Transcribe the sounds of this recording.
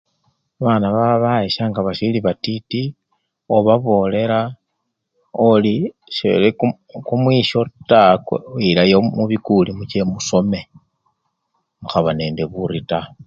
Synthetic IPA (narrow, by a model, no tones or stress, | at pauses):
βanaβaβaeʃaŋɡaβaʃiliβatiti | o̞βaβo̞ːle̞ɾa | oli | ʃḛle | kumwiːʃo̞takilajomuβikulimut͡ʃe̞muso̞me̞ | muxaβane̞ːndeβuɾita